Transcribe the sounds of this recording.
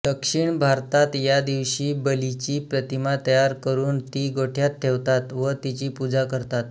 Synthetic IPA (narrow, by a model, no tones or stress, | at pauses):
ɖ̪əkʂiɳbʱaɾt̪at̪jad̪iʋɕiːbəlit͡ɕiːpɾət̪imat̪əjaɾkəɾuːnt̪iɡoʈʰjat̪ʰːeʋt̪at̪ʋət̪it͡ɕiːpud͡zakəɾt̪at̪